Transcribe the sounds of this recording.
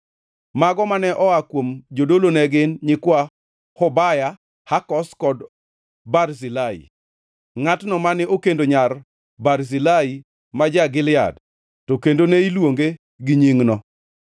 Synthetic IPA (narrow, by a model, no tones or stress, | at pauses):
maɡɔmanɛʔɔakwomd͡ʒodolonɛɡɪnɲɪkwa | hɔbaja | hakɔskɔd | barzilaḭ | ŋatnɔmanɪokendoɲar | barzilai | mad͡ʒaɡɪlɪja̰d | tɔkendoneilwoŋɡe | ɡɪɲiŋnɔ